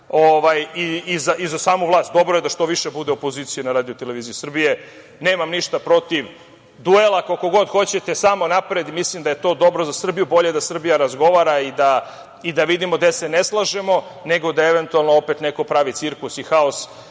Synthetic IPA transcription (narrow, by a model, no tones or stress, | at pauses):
oʋajiizaʔizasaːmuvlˠaːst̪̚d̪o̞bɾoje̞d̪aʃt̪o̞ʋiʃebud̪eopo̞ziːt̪sijunaɾaːd̪iot̪ele̞ʋiːziisr̩bije̞ | ne̞ːmamniʃt̪apɾo̞t̪iʋ | d̪uelˠakoko̞ɡo̞d̪xo̞t͡ɕet̪e̞samo̞napɾed̪imislimd̪aje̞t̪o̞ːd̪o̞bɾozasr̩bijubo̞ʎe̞d̪asr̩bijaɾazɡo̞ʋaːɾaid̪a | id̪aʋid̪imo̞d̪e̞sene̞slˠaʒemo̞ | neɡo̞d̪aeʋe̞nt̪ualˠnoopet̪neko̞pɾaʋit̪siɾklusixaos